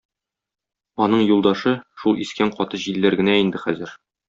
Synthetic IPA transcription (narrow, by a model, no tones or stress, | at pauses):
ɒnɤɴjulˠd̪ɑʃɤʃulˠiskæɴqɒt̪ɤʑilːæɾɡɘ̆næind̪ɘχæzɘɾ